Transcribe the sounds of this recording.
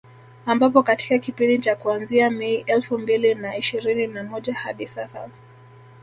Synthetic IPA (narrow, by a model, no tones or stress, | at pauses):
ambap̬ɔkati̥kakipindit͡ʃakuanziamɛiʔɛlfumbilinaiʃiɾininamɔʄaha̰ɗisasa̰